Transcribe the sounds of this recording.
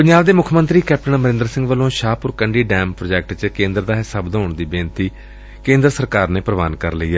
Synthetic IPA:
pɪɲd͡ʒaːbd̪eːmʊkʰmə̃nt̪ɾiːkɛːp̚ʈənməɾɪ̃nd̪ɾsɪ̃ŋɡʋəlõːʃaːpʊɾkəɳɖiːɖɛːmpɾoːd͡ʒɛːk̚ʈt͡ʃkẽːnd̪ɾd̪aːɦɪsəbd̪oːɳd̪iːbeːnt̪iː | kẽːnd̪ɾsəɾkaːɾneːpɾəʋaːnkəɾləiːɛː

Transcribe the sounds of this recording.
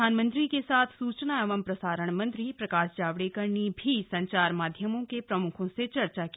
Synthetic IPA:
aːnmə̃nt̪ɾikesaːt̪ʰsuːt͡ʃnaɛʋəmpɾɐsaːɾəɳ̃mɐ̃nt̪ɾipɾɐkaːʃd͡ʒaːʋɽikɐɾnibʱisɐ̃ɲt͡ʃaːɾmaːd̪ʱjəmõkepɾɐmʊkʰõset͡ʃɐɾt͡ʃak

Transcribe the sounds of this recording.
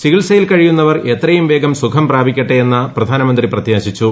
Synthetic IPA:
t͡ɕiɣiɭsɐjilkɐɻijunːɐʋɐre̞t̪rɐjumʋe̞ːɡɐmsukʰɐmpraːbʱikʲːɐʈːeenːɐprɐd̪ʱaːnɐmɐnd̪riprɐt̪jaːɕit͡ɕːu

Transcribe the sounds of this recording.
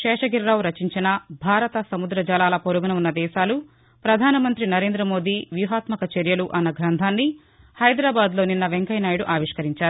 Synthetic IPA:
ʃɛːʂɐɡiɾɾaːwɾɐt͡ʃiɲt͡ʃinɐbʱaːɾɐt̪ɐsɐmud̪ɾɐd͡ʒaːlaːlɐpoɾuɡɐnɐmunːɐd̪ɛːʃaːlu | pɾɐd̪ʱaːnɐmɐnt̪ɾinɐɾe̞ːnd̪ɾɐmo̞ːd̪iːʋjuɦaːt̪mɐkɐt͡ʃeɾjɐluʔɐnːɐɡʱɾɐnd̪ʱaːnːi | hɐjd̪ɾaːbaːd̪lo̞ːninːɐʋeŋkɐjnaːjɽuʔaːʋiʂkɐɾiɲt͡ʃaːɾu

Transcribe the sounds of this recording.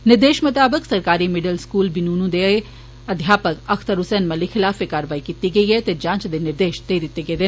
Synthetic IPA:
nɪɾd̪eːʃmʊt̪aːbəksɐɾkaːɾimɪɖəlskuːlbɪnuːnũd̪ee | ɐd̪ʱjaːpəkɐkʰt̪əɾʊsɛːnmɐlixʰɪlaːfekaːɾəʋaːikit̪iɡɐiɦɛt̪ed͡ʒãːt͡ʃd̪enɪɾd̪eːʃd̪eːid̪ɪt̪ːeɡɐed̪en

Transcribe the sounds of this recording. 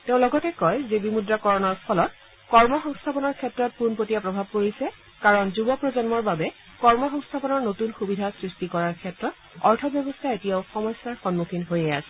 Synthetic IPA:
teʊ̃lɔɡɔtɛkɔjzebimudɹakɔɹɔnɔɹpʰɔlɔt̚ | kɔɹmɔxɔŋstʰapɔnɔɹkʰɛtɹɔt̚punpotijapɹɔbʱab̚koɹisɛ | kaɹɔnzubɔpɹɔzɔnmɔɹbabɛ | kɔɹmɔxɔŋst̪ʰapɔnɔɹnotunxubidʱasɹistikɔɹaɹkʰɛtɹɔt | ɔɹtʰɔbjɔbɔstʰaetijaʊxɔmɔjsːaɹxɔnmukʰinɦojɛasɛ

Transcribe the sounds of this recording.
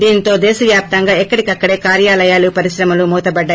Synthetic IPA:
d̪iːnt̪o̞ːd̪ɛːsɐʋjaːp̚t̪ɐŋɡaːɛkːɐɽikɐkːɐɽe̞ːkaːɾjaːlɐjaːlupɐɾiʃɾɐmɐlumɔːt̪ɐbɐɖːaː

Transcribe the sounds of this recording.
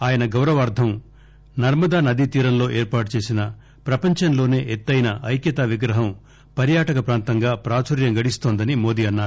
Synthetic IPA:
aːjɐnɐɡɐwɾɐʋaːɾd̪ʱɐm | nɐɾmɐd̪aːnɐd̪it̪iːɾɐnlo̞ːʔeːɾpaːʈut͡ʃe̞ːsinɐ | pɾɐpɐɲt͡ʃɐnlo̞ːne̞ːʔet̪ːɐjnɐʔɐjkjɐt̪aːʋiɡɾɐɦɐm | pɐɾjaːʈɐkɐpɾaːnt̪ɐŋɡaːpɾaːt͡ʃɐɾjɐŋɡɐɽist̪oːnd̪ɐnimo̞ːd̪iːɐnːaːɾu

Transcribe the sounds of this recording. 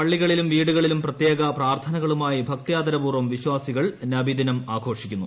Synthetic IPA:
ɐɭːiɣɐɭilumʋiːɽuɣɐɭilumprɐt̪jeːɡɐpraːrt̪ʰɐnɐɣɐɭumaːjibʱɐk̚t̪ijaːd̪ɐɾɐpuːrʋɐmʋiɕwaːsiɣɐɭnɐbid̪inɐmaːɡʰʱo̞ːʂikʲːunːu

